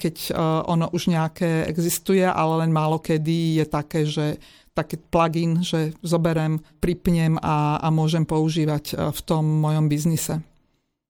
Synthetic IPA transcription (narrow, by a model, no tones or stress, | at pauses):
kɛcʔɔnɔʔuʒɲɛakɛːɛ̰ɡzist̪ujɛʔa̰lɛlɛnmaːlɔkɛd̪ijɛt̪akɛːʒɛ | t̪akɛːplaɡinʒɛzɔbɛɾɛmpɾipɲɛmaa̰mʊɔʒɛmpɔuʒiːʋacft̪ɔmːɔjɔmbiznisɛ